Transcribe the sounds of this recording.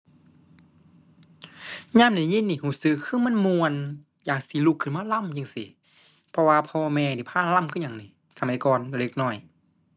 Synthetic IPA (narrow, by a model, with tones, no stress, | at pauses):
ɲaː˧˥˨mdaː˧˩˨ɲi˧˥˨nːiː˧˩huː˧˩sɯ˧kʰːɯː˧˥˨ma˧˥˨nmu˧ən | jaː˨˩k̚si˧˦lu˧˩kʰːɯ˧˩˨nmaː˧˥˨la˧˥˨mja˧˨ŋsi˧˦ | pʰɔ˧waː˧pʰɔː˧mɛː˧˨niː˨˧˩pʰaː˧˥˨nla˧˥˨mkʰɯː˧˥˨ɲa˨˧˩ŋniː˧˩ | sa˧ma˨˦jkɔː˨nla˧˩le˧k̚nɔː˧˩j